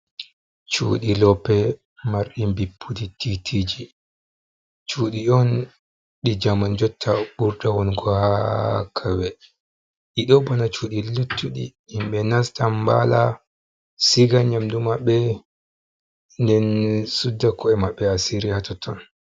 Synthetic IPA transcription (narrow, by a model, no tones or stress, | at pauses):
t͡ʃṵɗilɔpɛ | maɾɗimbipʰːudititʰid͡ʒi | t͡ʃuːɗiɔn | ɗid͡ʒamand͡ʒɔtʰːaɓuɾdawɔnɡɔhakʰawɛ | ɗiɗɔbɔnat͡ʃuɗilutʰːuɗḭː | mɓɛnastamba̰la | siɡaɲamdumaɓːɛ | ndɛnsudːakɔɛmaɓːɛasiɾihatɔtɔn